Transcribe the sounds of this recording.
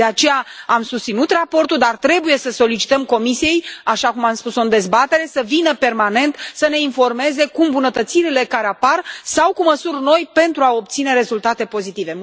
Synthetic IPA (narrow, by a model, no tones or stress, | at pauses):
eat͡ʃe̞jaamsust̪sinut̪rapo̞rt̪uld̪art̪ɾe̞buje̞səso̞lit͡ʃi̥t̪əmko̞misije̞jaʃakumamspusoɨnd̪e̞zbat̪e̞ɾe̞səvinəpe̞rmane̞nt̪səne̞info̞rme̞ze̞kumbunət̪ət̪siɾile̞kaɾeaparsawkuməsurno̞jpe̞nt̪ɾuao̞p̚t̪sine̞ɾe̞zult̪at̪e̞po̞zit̪ive̞